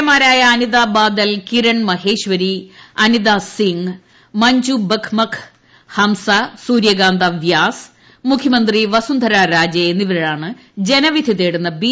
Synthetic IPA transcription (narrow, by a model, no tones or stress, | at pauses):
ɐmaːɾaːjɐːniðaːbaːd̪ɐlkiɾɐɳmɐɦeːɕʋɐɾiɐniðasiŋ | mɐɲd͡ʑubɐkʰmɐkʰ | hɐmsɐsuːɾjɐɡaːnd̪ʱɐʋjaːs | mukʰjɐmɐnd̪riʋɐsund̪ʱɐɾaːɾaːd͡ʑɐenːiʋɐɾɐɭaːɳɨ | d͡ʑenɐʋid̪ʱiðeːɽunːɐbi